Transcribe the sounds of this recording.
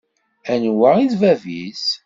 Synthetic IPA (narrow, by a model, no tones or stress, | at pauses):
ænwaiðvævis